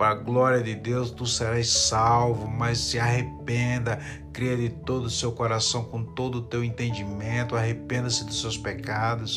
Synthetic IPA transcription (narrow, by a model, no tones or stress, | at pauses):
pɐɡlɔɾiɐd̪ɪd̪ewst̪useɾajssawvʊmɐsːɪaɦepẽnd̪ɐ | kɾiɐd̪ɪt̪od̪ʊsewkoɾasɐ̃w̃kõt̪od̪ʊːt̪ewẽnt̪ẽnd͡ʒimẽnt̪ʊaɦepẽnd̪ɐsɪd̪ʊst̪ewspɛkad̪ʊs